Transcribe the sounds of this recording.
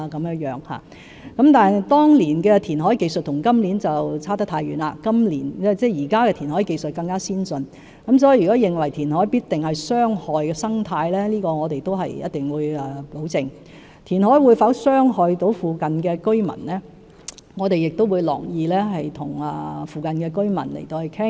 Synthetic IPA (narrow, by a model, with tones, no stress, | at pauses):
kɐ˨˧mjœː˧˥ŋjœː˨˥ŋha̰ː˨˩ | kɐ˨˥mt̪aː˨n˨t̪ɔː˥ŋliː˨˩nkɛ˧t̪ʰiː˨˩nɦɔː˨˥jke˧jst̚t̪ʰʊ˨˩ŋkɐ˥mliː˨˥nt͡sɐ˨wt͡sʰaː˥t̪ɐ˥t̪ʰaː˧jyː˨˥naː˧kɐ˥mlḭː˨˩nɛ˥˩t͡sɛː˥˩jiː˨˩kaː˥kɛː˧t̪ʰiː˨˩nhɔː˨˥˧ke˧jsɵ˨t̚kɐ˧ŋkaː˥siː˥nsɵ˧n | kɐ˨˥ms̬ɔː˨˥ji˨˧˩y˨kɔː˨˥jɪ˨ŋwɐ˨˩jt̪ʰiː˨˩nɦɔː˨˥jpiː˥t̚t̪ɪ˨ŋhɐ˨jsœː˥ŋhɔː˨jkɛː˧sɐ˥ŋt̪ʰaː˧jlɛː˥liː˥kɔː˧ŋɔː˨˧t̪e˨jt̪o˥wɦɐ˨jjɐ˥t̚t̪ɪ˨ŋwuː˨˧jɛː˨˩lo˨˥wt͡sɪ˧ŋ | t̪ʰiː˨˩nɦɔː˨˥jwuː˨˧˥jfaː˨˥sœː˥ŋhɔː˨jt̪o˨˥wfuː˨kɐ˨nkɛː˧kɵ˥ɥmɐ̰˨˩nlɛː˥ | ŋɔː˨˧t̪e˨jɪ˨k̚t̪o˥wuː˨˧jlɔ̰ː˨˩ŋjiː˧lɛː˥ɦɐ˨jt̪ʰʊ˨˩ŋɐ̰ː˨fuː˨˧kɐ˨nkɛː˧kɵ˥ɥmɐ̰˨˩nlḛ˨˩jt̪o˧whɵ˨˩jkʰɪ˥ŋ